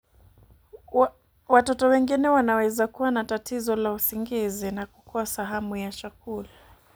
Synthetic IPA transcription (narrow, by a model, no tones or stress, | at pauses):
watɔtɔwɛŋɡinɛwanawɛzakuwanatatizɔlausiŋɡizinakukɔasaɦamujat͡ʃakula